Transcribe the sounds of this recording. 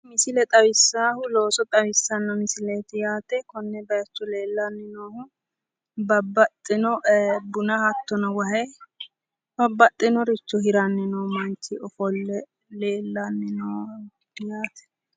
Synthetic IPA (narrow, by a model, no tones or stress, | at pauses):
mɪsɪlɛt̪ʼɐwɪsːaːhʊlo̞ːsɔt̪ʼɐwɪsːɐnːɔmɪsɪleːt̪ɪjaːt̪ɛkɔnːɛbɐjɐt͡ʃːɔle̞ːlːɐnːɪnoːhʊ | bɐbːɐt̪ʼːɪnɔʔbʊnɐhɐt̪ːɔnɔwɐɦɛ | bɐbːɐt̪ʼːɪnɔɾɪt͡ʃːɔhɪɾɐnːɪnɔːmɐnt͡ʃːɪɔfɔlːɛ | leːlːɐnːɪnɔː | jaːt̪ʰɛ̥